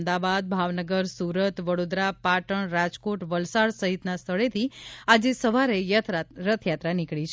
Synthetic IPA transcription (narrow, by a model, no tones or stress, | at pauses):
d̪abad̪̚bʱaʋnəɡəɾsuɾət̪ʋəɽod̪ɾapaʈəɳɾad͡ʒkoʈʋəlsaɽsəɦit̪nast̪ʰəɭet̪ʰiad͡ʒesəʋaɾejt̪ʰɾət̪ʰjat̪ɾanikɭit͡ʃʰ